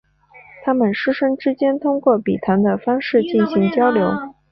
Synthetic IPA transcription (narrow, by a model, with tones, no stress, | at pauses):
t̪ʰa˥mə˨nʂɻ̩˥ʂə˥ŋʈ͡ʂɻ̩˥t͡ɕjɛ˥nt̪ʰʊ˥ŋkwɔ˥˩pi˨˩t̪ʰa˧˥nd̪ə˧fɑ˥ŋʂɻ̩˥˧t͡ɕi˥˩nɕi˧˥ŋt͡ɕjɑ˥ʊljo˧˥ʊ